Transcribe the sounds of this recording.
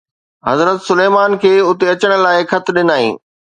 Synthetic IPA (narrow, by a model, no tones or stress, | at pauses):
ɦɐzɾət̪sʊleːmaːnkʰeːʊt̪eɐt͡ɕəɽ̃laːɪkʰɐt̪ʰɗɪnaːḭ̃ː